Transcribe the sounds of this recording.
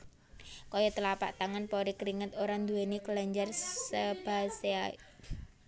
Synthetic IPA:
kɔjɔt̪əlapa̰ʔt̪aŋanpɔɾikɾiŋət̪oɾand̪uɛnikəlaɲd͡ʒarsəb̥a̤sea

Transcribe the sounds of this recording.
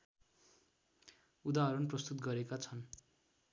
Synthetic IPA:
ud̪aɦʌɾunprʌst̪ut̪ɡʌɾekat͡sʰʌn

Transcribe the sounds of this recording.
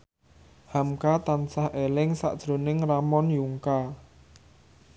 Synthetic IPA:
hamkat̪ansahʔelɪŋsa̰ʔd̥ʒ̥ɾo̤nɪŋramɔnjuŋka

